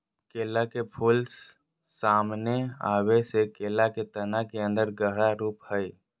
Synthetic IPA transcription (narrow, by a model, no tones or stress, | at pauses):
keːlakepʰuls | saːmnea̰ːwesekeːlaket̪ənakeə̃nd̪əɾɡəɦɽaɾuːphəi